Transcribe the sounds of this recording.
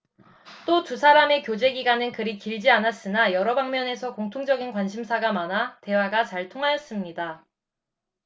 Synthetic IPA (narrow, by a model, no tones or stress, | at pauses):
t͈otus̬ʰaɾame̞kjod͡ʑe̞ɡiɡanɯnkɯɾikiɭd͡ʑianas͈ɯnajʌɾʌbaŋmjʌne̞sʰʌkoŋtʰoŋd͡ʑʌɡinkwanɕʰimsʰaɡamanate̞waɡat͡ɕaɭtʰoŋɦajʌs͈ɯmɲida